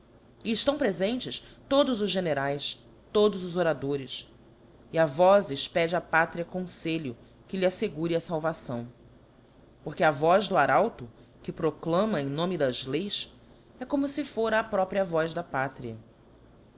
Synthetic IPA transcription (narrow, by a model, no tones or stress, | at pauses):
iːʃt̪ɐ̃w̃pɾezẽnt͡ʃɪst̪od̪ʊzʊzʒeneɾajs | t̪od̪ʊzʊzoɾad̪oɾɪs | iavɔzɪʃpɛd͡ʒɪapat̪ɾiɐkõseʎʊ | kɪliaseɡuɾɪɐsawvasɐ̃w̃ | poχkɪɐvɔʒd̪ʊaɾawt̪ʊ | kɪpɾoklɐ̃mɐẽj̃nõmɪd̪ɐzlejs | ɛkõmʊsɪfoɾɐːpɾɔpɾiɐvɔzd̪ɐpat̪ɾiɐ